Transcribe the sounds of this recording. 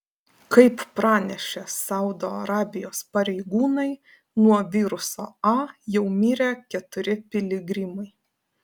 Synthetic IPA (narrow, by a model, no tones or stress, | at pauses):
kɐɪppɾɑːnʲɛʃʲɛsɐʊd̪oːɐɾɑːbʲɪjoːspɐɾʲɛɪɡuːnɐɪ | nuɔʋʲiːɾʊsoːɑːjɛʊmʲiːɾʲeːkʲɛt̪ʊɾʲɪpʲɪlʲɪɡɾʲɪmɐɪ